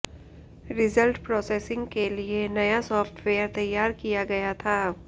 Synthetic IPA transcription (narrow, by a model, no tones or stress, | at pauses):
ɾɪzəlʈpɾɔːseːsɪ̃ŋɡkelienɐjasɔːfʈʋeːjəɾt̪ɐjːaːɾkijaɡɐjat̪ʰaː